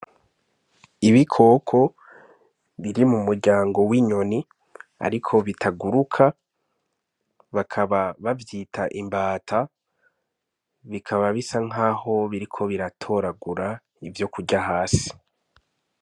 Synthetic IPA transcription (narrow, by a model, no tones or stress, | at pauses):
iβikʰo̞ːkʰo̞ | βiɾimumuɾɟaːŋɡo̞wiɲo̞ni | a̰ɾikʰo̞βitʰaɡuɾukʰa | βakʰaβaβavjiːtʰaʔimbaːtʰa | βikʰaβaβisaŋ̥ɦaːho̞βiɾikʰo̞βiɾatʰo̞ɾaɡuɾa | ivjo̞kuɟaɦaːsi̥